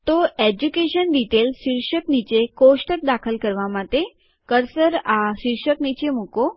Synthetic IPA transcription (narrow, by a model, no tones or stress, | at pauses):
t̪oed͡ʑukeɕənɖ̪iʈelɕiɾɕəknit͡ɕekoʂʈət̪̚d̪akʰəlkəɾʋamat̪e | kəɾsəɾaɕiɾɕəknit͡ɕemuko